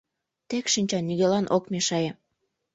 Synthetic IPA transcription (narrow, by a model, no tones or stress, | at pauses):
t̪ekʃinʲt͡ɕɑnːiɣelɑnʔokmeʃɑje